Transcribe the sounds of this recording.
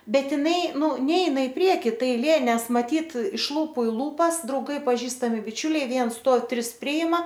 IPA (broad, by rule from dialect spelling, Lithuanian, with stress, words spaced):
ˈbʲɛt ɪˈnɐɪ ˈnuː ˈnʲɛɪnɐ ɪ ˈpʲrʲiɛkʲɪ ˈtɐ ɐɪˈlʲeː ˈnʲɛs mɐˈtʲiːt ɪʃ ˈlˠuːpʊ ɪ ˈlˠuːpɐs drɐʊˈɡɐɪ pɐˈʒʲiːstɐmʲɪ bʲɪˈt͡ʃʲʊlʲɛɪ ˈʋʲiɛns ˈstuɔw ˈtʲrʲɪs ˈpʲrʲɪɪmɐ